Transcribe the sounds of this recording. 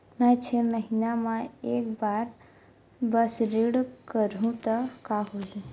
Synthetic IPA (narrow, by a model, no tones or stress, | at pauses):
mɛ̃t͡ʃʰeməɦinamãeːkbaːɾ | bəsɾiɽkəɾɦũt̪əkaɦod͡ʒũ